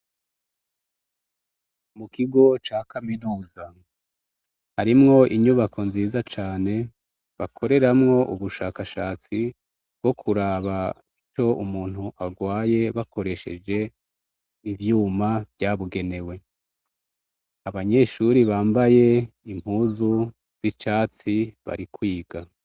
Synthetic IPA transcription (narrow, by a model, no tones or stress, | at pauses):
mukiɡo̞t͡ʃakaminuːza | haɾimŋo̞ʔiɲuβakʰo̞nziːzat͡ʃaːne̞ | βakʰo̞ɾe̞ɾamŋo̞ʔuβuʃaːkaʃaːt͡si | b̚ɡo̞kʰuɾaβa | it͡ʃo̞umuːn̥huʔaɡwaːje̞βakʰo̞ɾe̞ʃe̞̰d͡ʒe̞ | ivjuːmavjaːβuɡe̞ne̞we̞ | aβaɲe̞ʃuɾiβaːmbaje̞im̥huːzu | z̥it͡ʃaːt͡siβa̰ɾikwiːɡ̥a